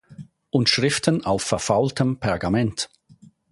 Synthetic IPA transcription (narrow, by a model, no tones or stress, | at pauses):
ʔʊntʃʁ̥ɪftʰənaʊfːɛɐfaʊltəmpʰɛɐɡamɛnt